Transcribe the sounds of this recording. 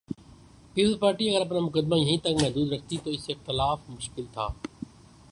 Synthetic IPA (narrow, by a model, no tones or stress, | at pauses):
piːpəlzpaːɾʈiːɐɣəɾɐpnaːmʊkəd̪maːjɐ̃ɦĩːt̪ɐŋɡmɛɦd̪uːd̪ɾɐk̚ʰt̪it̪oːɪsɪxt̪ɪlaːfmʊʃkɪlt̪ʰa̰ː